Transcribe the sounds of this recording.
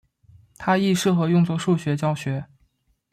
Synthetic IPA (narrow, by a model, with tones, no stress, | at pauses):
t̪ʰa˥i˥˧ʂɻ̩˥˩xɤ˧˥jʊ˥˧ŋt͡swɔ˥˧ʂu˥˩ɕɥɛ˧˥t͡ɕjɑ˥ʊɕɥɛ˧˥